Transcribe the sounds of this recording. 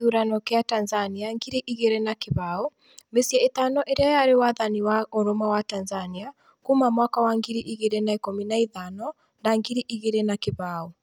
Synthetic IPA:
uɾanɔkeatanzaniaŋɡiɾiʔiɣeɾenakeβao | mesiɛetaːnɔʔeɾeajaɾewaðaniwaoɾomawatanzania | kumamwakawaŋɡiɾiʔiɣeɾenaekominaiðanɔ | ndaŋɡiɾiʔiɣeɾenakeβaːo

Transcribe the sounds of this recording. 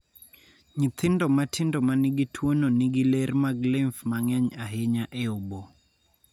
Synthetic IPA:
ɲɪt̪ʰɪndɔmatʰɪndɔmanɪɡitʰwononiɡilermaɡlɛɱfmaŋɛɲaɦeɲaʔeobo

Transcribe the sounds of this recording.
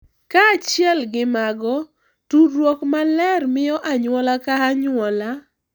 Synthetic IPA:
kaːt͡ʃjɛlɡɪmaɡɔ | tuɾwɔkmalɛrmɪjɔʔaɲwɔlakaɦaɲwɔla

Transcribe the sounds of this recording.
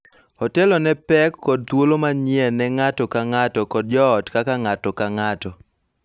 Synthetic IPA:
ɔtɛlɔnɛpɛkːɔd̚t̪wolomaɲɪɛnɛŋatɔkaŋatɔkɔd̚d͡ʒɔːtkakaŋatɔkaŋatɔ

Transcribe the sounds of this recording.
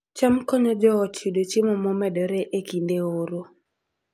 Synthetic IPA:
t͡ʃamkɔɲɔd͡ʒɔɔt͡ʃʰudot͡ʃɪmɔmɔmɛdɔɾeʔekindeoɾo

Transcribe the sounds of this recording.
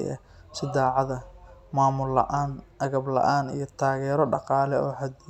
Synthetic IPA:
jɐ̰ | sɪd̪aːʕɑðɐmaːmʊlɐ̰ʔaːnʔɐɣɐblɐ̰ʔaːnḭjɞt̪ʰaːɣɛːɾɔɖɑqɑːlɛɔːħɐd̪

